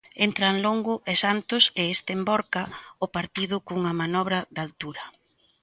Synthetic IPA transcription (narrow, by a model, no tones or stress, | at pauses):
ent̪ɾaŋloŋɡʊʔesant̪ʊsɪest̪embɔɾkaʊpaɾt̪iðʊkuŋɐmanɔβɾɐd̪alt̪uɾɐ